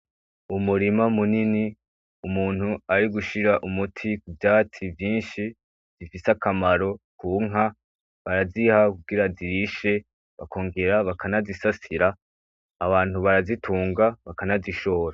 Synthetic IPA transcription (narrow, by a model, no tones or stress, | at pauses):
umuɾimamunini | umuːn̥huaɾiɡuʃiɾaʔumutʰikubjaːt͡sivjiːnʃi | z̥ifisakʰamaɾo̞kuːŋɦa | βaɾazihakuɡiɾaziɾiʃe̞ | βakʰo̞ːŋɡe̞ɾaβakʰanazisasiɾaː | βaːn̥huβaɾazitʰuːŋɡaβakanaziʃo̞ːɾa